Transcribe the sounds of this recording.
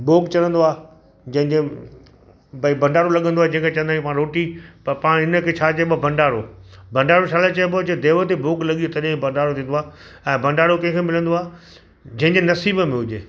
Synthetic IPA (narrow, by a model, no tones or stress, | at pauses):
boːkt͡ɕɐɾə̃nd̪oaː | d͡ʑɐ̃ɦɪ̃ɲd͡ʑe | bɐibʱɐ̃ɳɖaːɽolɐɠə̃nd̪oaːɦed͡ʑɐ̃ɦɪ̃kʰet͡ɕɐ̃ənd̪ãĩkipãːɽɾoːʈipɐɾpãːɽ̃ɪnə̆kʰet͡ɕʰaːt͡ɕɐbɐbɐ̃ɳɖaːɽobʱɐ̃ɳɖaːɽot͡ʃʰaːlet͡ɕɐebod͡ʑed̪eːʋət̪eboːklɐɠiot̪ɐɗibɐ̃ɳɖaːɽot̪ʰĩːn̆d̪oaː | ɛ̃ːbʱɐ̃ɳɖaːɽokɐ̃ɪ̃kʰemɪlə̃nd̪oaː | d͡ʑɐ̃ɦɪ̃ɲd͡ʑenɐsiːbəmẽɦʊd͡ʑeː